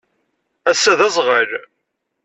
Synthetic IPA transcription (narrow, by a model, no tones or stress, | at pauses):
æsːæðæzˤʁəɾ